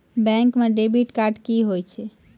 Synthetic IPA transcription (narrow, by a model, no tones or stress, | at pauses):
bɛ̃ŋkmeɖebiʈkaɾɖkiɦojt͡ʃʰɛ